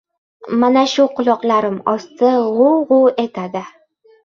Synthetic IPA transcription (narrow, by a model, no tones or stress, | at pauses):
manaʃʊqʊlˠɒqlaɾɪmɒst̪ɪʁʊʁʊe̞t̪ʰad̪ɪ